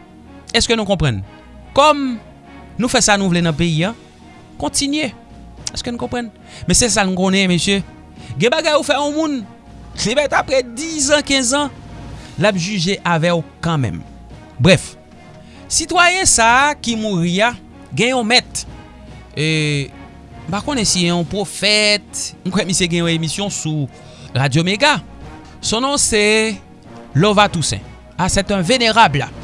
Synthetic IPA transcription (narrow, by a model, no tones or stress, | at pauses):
ɛskønũkɔ̃pʁãn | kɔm | nũfɛsanũvlenɐ̃peiã | kɔ̃tinɥe | ɛskønũkɔ̃pʁãn | mɛ̃sɛs̬anũkõnɛ̃mesjø | ɡɛ̃baɡajufɛɔ̃mũn | klimɛt̪apɣɛd̪izãkɛ̃zã | lap̚ʒyʒeʔavɛokãmɛ̰̃m | bʁɛf | sit̪wajɛ̃sakimuʁia | ɡɛ̃j̃ɔ̃mɛt̪ | e | m̩pakõnɛsiɛɔ̃pʁofɛt̪m̩kɛmiseɡɛ̃jɔ̃emisjɔ̃su | ʁad͡zjomeɡa | sɔ̃nɔ̃se | lɔvat̪usɛ̰̃ | asɛt̪ɛ̃veneʁabla